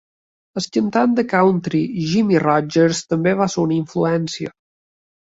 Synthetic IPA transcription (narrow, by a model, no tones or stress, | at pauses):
əscənt̪and̪əkawnt̪ɾiʒimirɔd͡ʒəɾst̪əmbeβasəunəiɱfluɛnsiə̰